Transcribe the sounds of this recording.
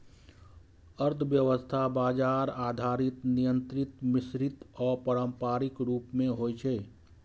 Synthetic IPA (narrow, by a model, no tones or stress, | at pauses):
əɾt̪ʰʋjəʋəst̪ʰabaːd͡ʒaːɾaːd̪ʱaːɾɪt̪nijə̃nt̪ɾɪt̪mɪsɾɪt̪ɔːɾpəɾəmpaːɾɪkɾuːpmẽɦoːjt͡ʃʰɛː